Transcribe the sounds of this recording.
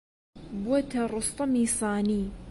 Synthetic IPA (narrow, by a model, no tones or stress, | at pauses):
bwat̪aɾˤʊst̪ˤɑmiːsˤɑːniː